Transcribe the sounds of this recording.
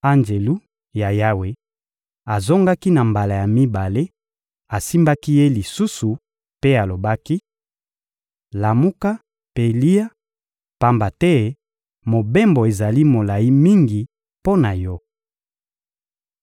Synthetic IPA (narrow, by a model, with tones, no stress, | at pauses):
a˦nd͡ʒe˨lu˦ | ja˨ja˦we˦ | a˨zo˦ŋɡa˦ki˦na˨mba˨la˨ja˨mi˦ba˨le˦ | a˨si˦mba˦ki˦je˦li˨su˦su˨ | pe˦a˨lo˨ba˦ki˦ | la˨mu˦ka˦ | pe˦li˦a˦ | pa˦mba˨tɛ˦ | mo˨be˦mbo˨e˨za˨li˦mo˨la˨ji˦mi˦ŋɡi˨ | po˦na˨jɔ˦